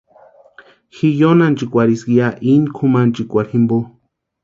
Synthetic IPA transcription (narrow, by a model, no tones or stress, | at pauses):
xijonant͡ʃikʷaɾiskiaʔinkʰumant͡ʃikʷaɾhimbo